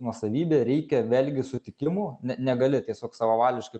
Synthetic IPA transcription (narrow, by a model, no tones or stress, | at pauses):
nuɔsɐʋʲiːbʲeːɾʲɛɪkʲɛʋʲeːlʲɡʲɪsʊt̪ʲɪkʲɪmuːnʲɛnʲɛɡɐlʲɪt̪ʲiɛsʲoːksɑʋɐʋɑːlʲʋʲɪʃkɐɪ